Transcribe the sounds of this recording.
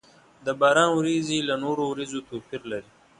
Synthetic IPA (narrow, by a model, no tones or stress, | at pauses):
d̪əbɑːɾɑːnwɾizilanoɾowɾizot̪opʰiɾlaɾi